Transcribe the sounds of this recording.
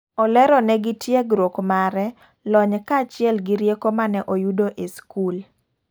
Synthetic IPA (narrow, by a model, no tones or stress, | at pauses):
ɔlɛɾɔnɛɡɪtʰjeɡɾokmaɾɛ | lɔɲkat͡ʃɪɛlɡɪɾjekomanɛʔojudoʔeskul